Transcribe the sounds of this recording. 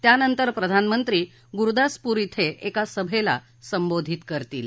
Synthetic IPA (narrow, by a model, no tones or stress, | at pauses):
t̪janənt̪əɾpɾəd̪ʱanmənt̪ɾiː | ɡuɾd̪aspuɾit̪ʰeʔekasəbʱela̰ | səmbod̪ʱit̪kəɾt̪ḭːl